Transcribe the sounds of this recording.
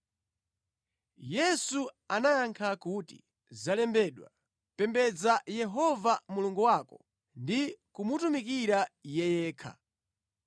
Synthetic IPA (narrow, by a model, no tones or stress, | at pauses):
jɛsu | anajaŋkʰakutḭ | zalɛmbɛɗwa̰ | pɛmbɛd͡zajɛɦɔvamuluŋɡuwakɔ | ndikumutumikiɾajɛjɛːkʰa̰